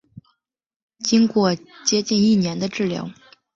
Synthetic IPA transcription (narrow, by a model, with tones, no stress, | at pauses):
t͡ɕi˥ŋkwɔ˥˧t͡ɕjɛ˥t͡ɕi˥˧ni˥˩njɛ˧˥nd̪ə˧ʈ͡ʂɻ̩˥˩ljɑ̰˧˥ʊ